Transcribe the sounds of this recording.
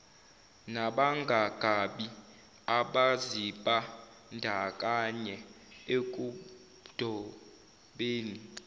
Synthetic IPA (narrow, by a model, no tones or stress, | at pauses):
naɓaŋɡʱaɡ̥ʱaɓi | aɓaziɓʼa | ndʱakʼaɲɛ | ek̬ʼu | d̥ʱɔ | ɓeːni